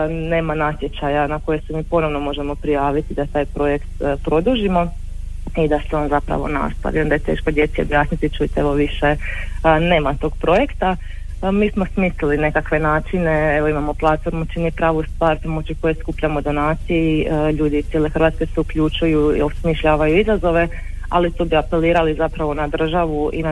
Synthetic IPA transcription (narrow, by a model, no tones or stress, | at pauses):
ne̞ːmanat̪je̞t͡ɕajanako̞je̞semiːpo̞no̞ʋno̞mo̞ʒe̞mo̞pɾijaːʋit̪id̪at̪aːjpɾo̞je̞kt̪pɾo̞d̪uːʒimo̞ | id̪aseo̞ːnzapɾa̰ʋo̞̰na̰st̪a̰ʋiond̪aje̞t̪e̞̰ːʃkod̪je̞t̪sejo̞bjaːsnit̪it͡ʃuit̪eeʋo̞ʋiʃe̞ | ne̞ːmat̪o̞ɡ̥pɾo̞je̞kt̪a | miːsmo̞smisliline̞kakʋe̞naːt͡ʃine̞e̞ʋoimamo̞plˠat̪fo̞ɾmut͡ʃinipɾaːʋust̪ʋaːɾpoɾmot͡ʃiko̞jeskupʎamo̞d̪o̞naːt̪sijeʎuːd̪iːsjele̞xr̩ʋat̪ske̞seukʎut͡ʃujuḭosmiʃʎaːʋajuizazo̞ʋe̞ | a̰lit̪oːbiape̞liːɾalizapɾaʋo̞nad̪r̩ʒaʋuin